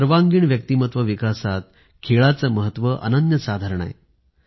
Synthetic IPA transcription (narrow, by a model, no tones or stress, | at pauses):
əɾʋaŋɡiːɳʋjək̚t̪iːmət̪ʋəʋikasat̪̚ | kʰeɭat͡səməɦət̪ʋəʔə̰nənjəsad̪ʱaɾəɳ̃a̰j